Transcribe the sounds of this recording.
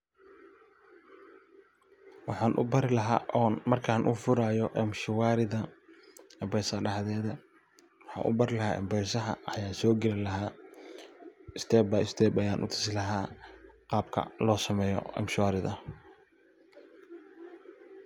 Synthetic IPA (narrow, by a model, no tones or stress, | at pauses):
wɑħɑːnʔʊ̰bɐɾɪlɐɦaːʔɔːnmɐrkʰaːnʔʊfʊɾaːjɔʔɛmʃɪwaːɾɪðɐ | ɛmbɛːsɐɖɐhðɛːðɐ | wɑħɑ̰ːnʔʊ̰bɐɾɪlɐɦaːʔɛ̰mbɛːsɐɦɐ̰ɐjaːsɔːɡɛlɪlɐɦaː | ɪst̪ʰɛːbɐɪst̪ʰɛːbɐjaːnʔʊ̰t̪ʰɪ̥sɪlɐɦaːqɑːb̚kʰɐ̰lɔːsɐmɛːjɔ̰ɛ̰mʃɪwaːɾɪðɐ